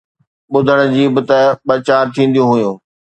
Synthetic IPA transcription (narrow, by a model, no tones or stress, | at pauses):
ɓʊd̪ʱəɽ̃ʊ̆d͡ʑiːbɪt̪ɐɓɐt͡ɕaːɾt̪ʰĩːn̆d̪ijũɦʊjũː